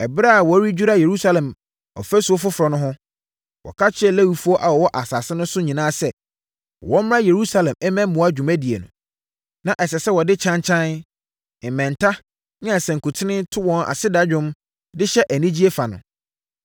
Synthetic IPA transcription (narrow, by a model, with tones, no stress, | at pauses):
ɛ˨bɾa˦a˨wɔ˨˦ɾi˦d͡ʑᶣu˦ɾa˦je˨ɾu˦sa˦lɛ̃˨m | ɔ̰˨fɛ˦su˨ɔ˦fʊ˦fʊ˨ɾɔ˨nʊ̃˦ɦʊ̃˦ | wʔɔ̰˨kʰa˦t͡ɕʰɪ˦ɛ˦læ˦wi˨fu˦ɔ˦ʔa˨wɔ˨wɔ˦ʔa˨saː˨sɪ˦nʊ̃˦sʊ˦ɲĩ˨nãː˦sɛ˦˨ | wɔ̃˦m˦ɾã˦je˨ɾu˦sa˦lɛ̃˨mɛ˦mɛ̃˦mʊ̃˨a˦d͡ʑᶣũ˨mæ̃˦di˨ḛ˨nʊ̰̃˨ | nã˨ʔɛ˨ɕɛ˨sɛ˦wɔ˨dɪ˦t͡ɕʰã˦ɲt͡ɕʰã˦n | ɪ˨mɛ̃˨n˨tʰa˦ | nɪ̃˦a˨sɛ̃˨ŋ̩˨kʰu˨tʰɪ˦nɪ̃˦tʰʊ˦wɔ̃˨na̰˨sɪ˦da˦d͡ʑᶣʊ̃˦m | dɪ˦ɕɛ˦ʔæ˨nĩ˦d͡ʑi˦e˦fa˨nʊ̰̃˨